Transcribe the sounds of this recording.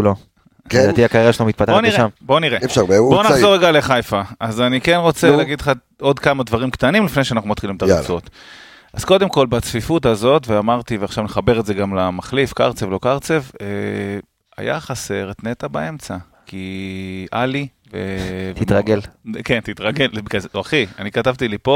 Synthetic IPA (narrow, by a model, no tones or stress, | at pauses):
ulo | datiakaʁiaʃeomit̪̚pat̪abonieʃamboniʁefʃaebonaχzo̞ʁeɡaleχajfaazanikenʁo̞t͡selaɡidlχa | o̞d̪kamad̪vaʁimkt̪animlifnejʃeanaχnumat̪χilimt̪aʁet͡sot̪ | az̥ko̞d̪emko̞lbat͡sfifutazo̞tveamaʁt̪iveaχʃavneχabe̞ʁetze̞ɡamlamaχlifkaʁt͡sevlokaʁt͡se̞ve | a̰ja̰χase̞ʁtne̞t̪abae̞mt͡sa | ki | ali | vet̪it̪ʁaɡelkent̪it̪ʁaɡelbkazoaχia̰nikatavt̪ilipo̞